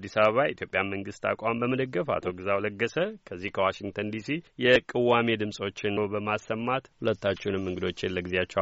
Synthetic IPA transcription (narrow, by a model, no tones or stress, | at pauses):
d̪ːisaβəβaj̰it̪ʰjo̞pʼjamːəŋɡɨst̪ʰa̰kʼambəməd̪əɡːəfa̰t̪ʰo̞ɡɨzawləɡːəsəkʰəzːihkʰəwaʃiŋɡt̪ʰənd̪isijɛkʼɨwame̞d̪ɨmsʼo̞t͡ʃːɪnobəmasːəmːat̪hulət̪ːat͡ʃːɛunɨmːɨŋɡɨd̪o̞t͡ʃːelːəɡɨzeat͡ʃːɛ